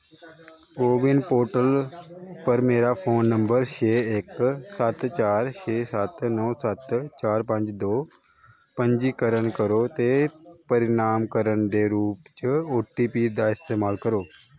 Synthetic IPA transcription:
ɡoːʋɪnpoːɾʈəlpɐɾmeːɾafʰoːnːɐ̃mbəɾʃeːeksɐt̪t͡ɕaːɾʃeːsɐt̪nɔːsɐt̪t͡ɕaːɾpɐ̃ɲd͡ʑd̪oː | pɐ̃ɲd͡ʑikɐɾəɽ̃kɐɾot̪epɐɾɪnaːmkəɾəɽ̃d̪eːɾuːpt͡ɕoːʈipiːd̪aɪst̪eːmaːlkɐɾoː

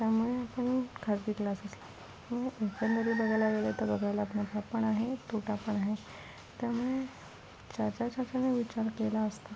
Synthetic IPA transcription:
t̪jamuɭeapəɳkʰasd̪iklasəsla | məɡekənd̪əɾiːbəɡajlaɡelet̪əɾbəɡʱajlaməʈʰapəɳaɦet̪ʰoʈapəɳaɦe | t̪jamuɭe | t͡ɕat͡ɕat͡ɕat͡ɕaneʋit͡ɕaɾkelaəst̪a

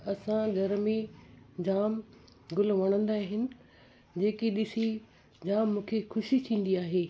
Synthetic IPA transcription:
ɐsãɡʱɐɾmĩd͡ʑaːm | ɡʊlʋɐɽ̃ə̃nd̪aːɦɪnɪ̆ | d͡ʑeːkiɗɪsi | d͡ʑaːmːũːkʰexʊʃit̪ʰĩːn̆d̪iaːɦeː

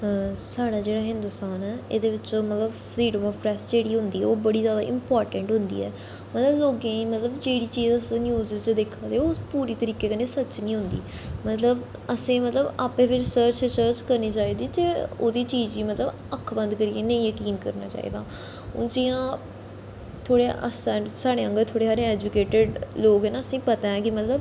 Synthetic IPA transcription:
saːɽaːd͡ʒeːɽaːɦɪ̃nd̪ʊst̪aːnɛːeːd̪eːʋɪt͡ʃõːmət̪ləbpʰɾiːɖəmɔːfpɾɛːsd͡ʒeːɽiːɦʊ̃nd̪iːɛ̰oːbəɽiːzjaːd̪a̰ːʔɪmpɔːɾʈə̃ɳʈɦʊnd̪ḭːɛ̰ː | mət̪ləbloːɡãːiːmət̪ləbd͡ʒeːɽiːt͡ʃiːzəsːnjuːzɪzt͡ʃd̪eːkʰːãːd̪eːoːpuːɾiːt̪əɾiːkeːkəneːsət͡ʃnĩːɦʊnd̪ḭː | mət̪ləb | əsẽːmət̪ləbaːpẽːpʰɪɾɪsəɾt͡ʃɾɪsəːɾt͡ʃkəɾniːt͡ʃaːiːd̪iːt̪eːo̰ːd̪iːt͡ʃiːziːmət̪ləb | əkʰːbə̃nd̪kəɾieːnəĩːjəkiːnkəɾna̰ːt͡ʃa̰ːḭːd̪a̰ː | ʊ̰nd͡ʒɪ̃ãː | t̪ʰoːɽeʔə̰sasaːɽeːə̃ŋɡət̪ʰoːɽeːɦaːɾẽɛːd͡ʒʊkeːʈəɖloːɡɛːnaːəsĩːpət̪aːɛ̃ːkɪmət̪ləb

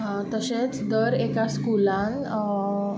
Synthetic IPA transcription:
ɦãt̪əsẽt͡sd̪əɾekaskulãn

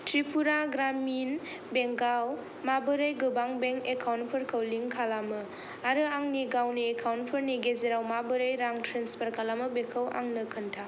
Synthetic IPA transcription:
tɾipʰuɾaɡɾamin | beŋɡaw | mabɯɾɯjɡɯbaŋbeŋekʰawn̚pʰɯɾkʰɐwliŋkʰalamɯ | aɾɯaŋniɡawniekʰawnt̚pʰɯɾniɡezeɾawmabɯɾɯjɾaŋtʰɾenspɐɾkʰalamɯbekʰəwʔa̰ŋnɯkʰɯntʰa

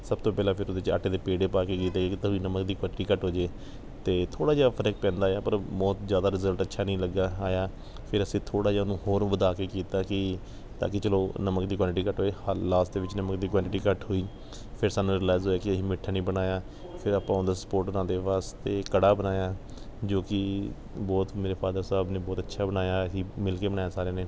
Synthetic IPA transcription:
səb̚t̪oːpɛːlãːpʰɪɾʊd̪et͡ʃa̰ːʈeːd̪eːpeːɽeːpaːkeːkiːt̪aːkeːkɪt̪əʋiːnəməkd̪iːkwaːʈiːkəʈɦoːd͡ʒeː | t̪eːt̪ʰoːɽaːd͡ʒaːapʰəɾək̚pɛ̃ːnd̪aːjaːpəɾmɔːt̪zjaːd̪aːɾɪzəlʈətːʃʰaːnĩːləɡːaːaːjaː | pʰɪɾəsĩːt̪ʰoːɽaːd͡ʒaːnũːhoːɾ̃ʋəd̪aːkeːkiːt̪aːkɪ | t̪a̰ːkɪt͡ʃəloːnəməkd̪iːk̬waːʈɪʈiːkəʈɦoːiːlaːsʈd̪eːʋɪt͡ʃnəməkd̪iːkwaːʈɪʈiːkəʈɦoːiː | pʰɪɾsaːnũːɾɪːlaːɪzɦoːjaːkɪəɦiːmɪʈʰːaːnĩːbənaːjaː | pʰɪɾaːpãːʊ̃nd̪aːsə̥poːɾʈnãːd̪eːʋaːst̪eːkəɽaːbənaːjaː | d͡ʒoːkɪ | bɔːt̪meːɾeːpʰaːd̪əɾsaːbneːbɔːt̪ətːʃʰaːbənaːjaːəsĩːmɪlkeːbənaːjaːsaːɾeːneː

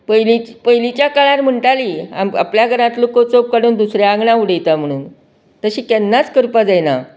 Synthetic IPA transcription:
pəjlit͡ɕpəɦjlit͡ɕjakaɭãɾm̤əɳʈaliːa̰ma̰pljaɡʱəɾãt̪lokot͡sop̚kaɽuːnd̪usɾjaaɡɳauɽ̤əjt̪am̤əɽ̃uːn | t̪əɕiːkɛnːat͡skəɾpad͡zajna

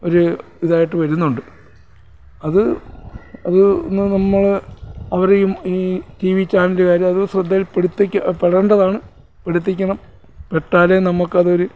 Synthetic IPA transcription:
o̞ɾu | iðaːjiʈːɨʋɐɾunːuɳɖɨ | ɐðɨ | ɐðɨnnɐmːɐɭɐʋɐrejumitiːʋit͡ɕːaːnndekaːɾjɐmɐðusrɐd̪ʱːɐjilpeɽit̪ːikʲːpeɽɐɳɖɐðaːɳɨ | peɽit̪̬ːikʲːɐɳɐm | peʈːaːlenɐmukːɐðo̞ɾu

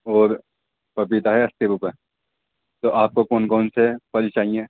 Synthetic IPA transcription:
oːɾ | pɐpit̪aɦɛɐst̪ebupə | t̪oʔaːp̚kokoːnkoːnsepɐlt͡ʃaːɦiẽː

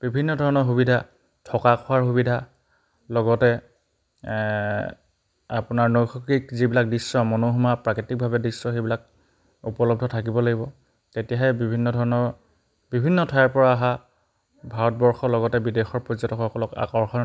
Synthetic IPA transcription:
b̥ibʱinːɔdʱɔɹɔnɔɹxubidʱa | tʰɔkakʰɔaɹxubidʱa | lɔɡɔtɛ | apʊnaɹnojxʰɔkikzibilak̚disːɔmɔnoɦumapɹakitik̚bʱabɛdisːɔxejbilak̚ | upɔlɔb̚dʱɔtʰak̬ibɔlaɡibɔ | tetijaɦɛbibʱinːɔdʱɔɹɔnɔɹ | bibʱinːɔtʰajaɹpɔɹaːɦa | bʱaɹɔt̚bɔɹxɔlɔɡɔtɛbidexɔɹpɹɔzɔtɔxɔkɔlɔka̰kɔɹxɔ

